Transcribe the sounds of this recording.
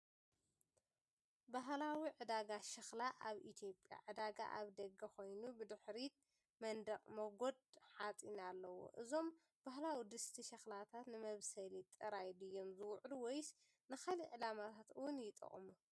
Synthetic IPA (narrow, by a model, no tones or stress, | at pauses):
baɦlawiʕɨd̪aɡaʃɐxlaʔaβḭt̪ʰjo̞pʼja̰ʕɨd̪aɡa̰ʔaβd̪ɐɡɐxo̞jnubɨd̪ɨħɾit̪ | mɐnd̪ɐqʼmɐɡo̞d̪̚ħat͡sʼinalːɐwo̰ʔɨzo̞m | b̥ahlawid̪ɨst̪ʰiʃɐxlat̪ʰat̪nɨmɐβsɐlit̪ʼːɨɾajd̪ɨjːo̞mzɨwʊʕluwɔjs | nɨxaliʕɨlamat̪ʰat̪ɨwʊnjɪt̪ʼɐ̰χʼmu